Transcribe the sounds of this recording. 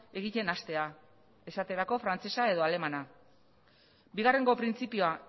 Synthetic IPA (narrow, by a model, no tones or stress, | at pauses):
e̞ɣ̞ice̞nast̪e̞a | e̞sat̪e̞ɾako̞fɾant͡se̞sae̞ð̞oale̞mana | biɣare̞ŋɡo̞pɾint͡sipioa